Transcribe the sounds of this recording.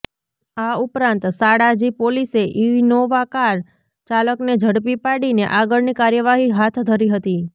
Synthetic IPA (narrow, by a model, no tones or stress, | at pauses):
aupɾãnt̪saɽad͡ʒipoliseʔiʋnoʋakaɾ | t͡ʃaləkned͡ʒʱəɽpipaɽineʔaɡəɭnikaɾjəʋaɦiɦat̪ʰd̪ʱəɾiɦət̪i